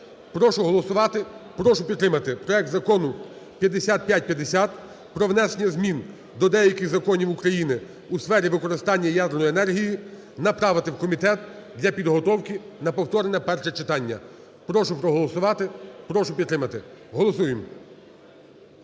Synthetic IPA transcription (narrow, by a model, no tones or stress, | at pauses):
pɾɔʃʊɦɔlˠɔsʊʋɑt̪ɪpɾɔʃʊpʲid̪t̪ːɾɪmɐt̪ɪpɾɔɛk̚t̪zɐkɔnʊ | pʲjɐd̪esʲat̪̚pʲjat̚ʲpʲjɐd̪esʲat̪̚ | pɾɔʋnɛsenʲɐzmʲin | d̪ɔd̪ɛjɐkɪxzɐkɔnʲiwukɾɐjinɪ | usfɛɾʲiʋɪkɔɾɪst̪ɑnʲːɐjɑd̪eɾrnɔjienɛrɦʲiji | nɐpɾɑʋɪt̪ɪwkɔmʲit̪ɛt̪̚ | d̪lʲɐpʲid̪ɦɔt̪ɔwkɪnɐpɔwt̪ɔɾenɛpɛrʃɛt͡ʃɪt̪ɑnʲːɐ̰ | pɾɔʃʊpɾɔɦɔlˠɔsʊʋɑt̪ɪpɾɔʃʊpʲid̪t̪ːɾɪmɐt̪ɪɦɔlˠɔsujɪm